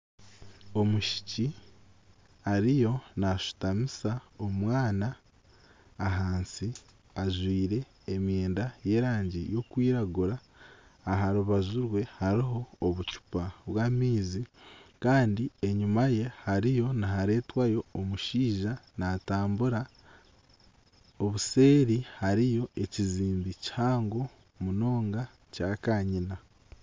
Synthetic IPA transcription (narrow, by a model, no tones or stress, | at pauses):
o̞muʃi̥ci | haɾijo̞naʃu̥tamisaomwaːnaː | ɦaːnsi | aʒwiːɾe̞ː | mje̞ːndaje̞ːɾaːɲɟijo̞kwiːɾaɡuɾaː | ɦaɾuβazuɾwe̞haɾiɦo̞ːβucu̥paβwaːmiːzikaːndie̞ɲumaje̞haɾijo̞naɦaɾe̞ːtwajo̞ːmuʃiːʒanataːmbuɾa | o̞βuse̞ːɾihaɾijo̞e̞ciziːmbici̥haːŋɡo̞ | muno̞ːŋɡa | caːkaːɲina